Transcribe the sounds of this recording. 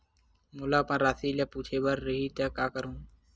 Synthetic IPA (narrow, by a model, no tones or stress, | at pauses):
mʊlapãɾaːsilapuːt͡ʃʰebəɾːəɦit̪əkaːkəɾũː